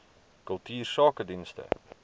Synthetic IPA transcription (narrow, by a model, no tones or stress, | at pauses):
kəlˠtʰiːrsɑːkədinstə̰